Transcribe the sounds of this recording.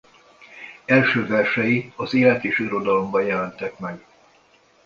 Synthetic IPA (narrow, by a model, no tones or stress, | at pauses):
ɛlʃøːvɛrʃɛjiɒzeːlɛt̪eːʃiɾo̞d̪ɒlo̞mbɒjɛlɛnt̪ɛkmɛɡ